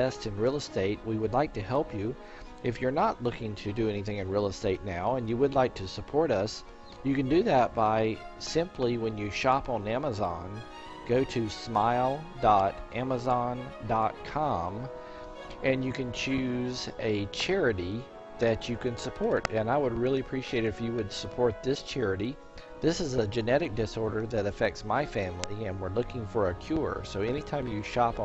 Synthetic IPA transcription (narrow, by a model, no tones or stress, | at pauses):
ɛstɨ̃nɹilˠəsteɪt̚wiwɨdˡlaɪk̚tɨhɛlˠpʰjʉ | ɨfjə˞nəʔˡlʊkɪ̃ŋtʰɨdɨɛniθɪ̃ŋɨ̃nɹilˠəsteɪtⁿnaʊə̃njɨwɨdˡlaɪk̚tʰɨsəpʰɔɹɾʌs | jɨkɨ̃ndɨðɨt̚b̥aɪ | sɪ̃mpʰliwɨ̃njɨʃɑpn̩æməzɑ̃n | ɡ̥oʊɾɨsmaɪlˠ | dɑɾʔæməzɑ̃ndɑt̚kʰɑ̃m | ɨ̃njɨkɨ̃nt͡ʃʰʉzɨt͡ʃʰɛɹɨɾi | ðɨt͡ʃɨkɨ̃nsəpʰɔɹtɨ̃naɪwəd̚ɹɪlˠiɨpʰɹ̥iʃieɪɾɨfjɨwɨd̥səpʰɔɹt̪̚ðɪst͡ʃʰɛɹɨɾi | ðɪsɨzəd͡ʒɨnɛɾɨk̚d̥ɨsɔɹɾə˞ðɨɾɨfɛk̚tsmaɪfæ̃mliɨ̃nwɨɹlʊkɪ̃ŋfə˞ɨkʰj̥ʊɹ̰soʊɛñitʰãɪ̃mjɨʃɑp